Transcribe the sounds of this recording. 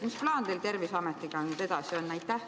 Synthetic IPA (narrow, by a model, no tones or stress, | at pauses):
misplɑːnd̪elt̪e̞rvisɑmet̪ːˑiɡ̥ɑnyt̪e̞d̪ɑsio̞nːæjt̪ːˑæh